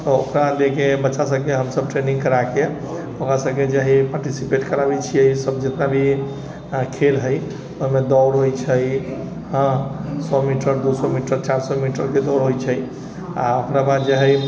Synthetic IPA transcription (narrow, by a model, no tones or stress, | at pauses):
t̪ɔokɾalekebətːʃasəbkeɦəmsəb̚ʈɾenĩŋɡkəɾake | okɾasəbked͡ʒaɦipaɾʈisipeʈkəɾabet͡ʃʰijəsəb̚d͡ʒet̪nabʱi | kʰelɦəj | oɦimed̪ɔʊɽɦojt͡ʃʰəj | ɦə̃sɔmiʈəɾd̪usɔmiʈəɾt͡ʃaɾsɔmiʈəɾked̪ɔɽɦojt͡ʃʰəj | a̰okɾabad̪d͡ʒaɦɛj